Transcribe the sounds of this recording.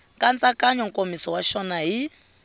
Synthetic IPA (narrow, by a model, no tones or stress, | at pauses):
kʼant͡sʼakʼaɲɔŋ̩kʼomisɔwaʃɔnaɦi